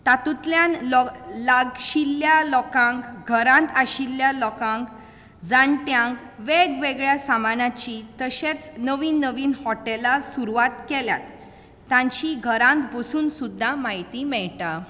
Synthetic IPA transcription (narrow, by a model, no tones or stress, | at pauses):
t̪at̪ut̪ljãnlɔlaɡɕilːjalɔkãŋkɡʱəɾãnt̪aɕilːjalɔkãŋk | d͡zaɳʈjãŋk | ʋeɡʋeɡɭjasamanat͡ɕit̪əɕet͡snəʋiːnːəʋiːnhɔʈɛlasuɾuʋat̪kɛlja̰t̪ː | jãɲt͡ɕiɡʱəɾãnt̪bəsuːnsud̪ʱːamait̪iːmɛɭʈa